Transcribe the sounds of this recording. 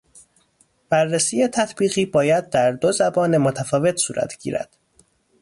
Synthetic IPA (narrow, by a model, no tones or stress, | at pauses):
b̥ærːesiːjet̪ʰæt̪ʰbiːɣiːbɒːjæd̪̚d̪æɾd̪o̞zæbɒːnemot̪ʰæfɒːve̞t̪ʰsṵːɾʔæ̰t̪ʰɟḭːɾæ̰d̪̥